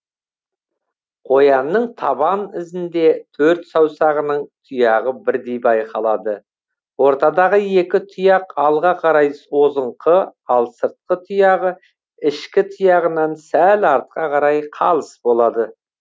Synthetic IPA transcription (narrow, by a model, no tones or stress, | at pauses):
qʰo̞jɑnːəɴt̪ʰɑbɑnɪzɪnd̪e̞t̪ʰɵɾt̪sɑwsɑʁənəɴt̪ʰʊjɑʁəbɪɾd̪ejbɑjqʰɑlˠɑd̪ə | wo̞ɾt̪ɑd̪ɑʁəje̞kʲɪt̪ʰʊjɑqɑlˠʁɑqʰɑɾɑjso̞zəɴqʰəɑlˠsəɾt̪̚qːət̪ʰʊjɑʁə | ɪʃkʲɪt̪ʰʊjɑʁənɑnsælɑɾt̪̚qɑqʰɑɾɑjqʰɑlˠəsbo̞lˠɑd̪ə